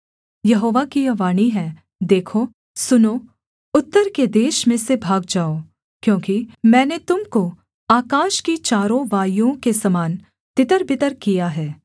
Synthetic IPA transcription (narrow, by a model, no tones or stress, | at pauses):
jɐɦoːʋakiɐʋaːɽ̃iɦɛ̃ː | d̪eːkʰo | sʊno | ʊt̪ːəɾked̪eːʃmẽsebʱaːɡ̚d͡ʒaːo | kjõːkimɛ̃ːnet̪ʊmko | aːkaːʃkit͡ʃaːɾõʋaːjõkesɐmaːn | t̪ɪt̪əɾbɪt̪əɾkijaɦɛː